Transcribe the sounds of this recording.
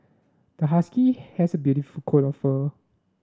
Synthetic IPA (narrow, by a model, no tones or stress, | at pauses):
d̥əɦaskihɛsəbjuɾifulkʰotɔfə